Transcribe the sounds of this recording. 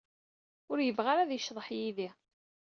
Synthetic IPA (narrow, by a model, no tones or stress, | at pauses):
ʊɾjəvʁaɾaðjəʃðˤəħjiði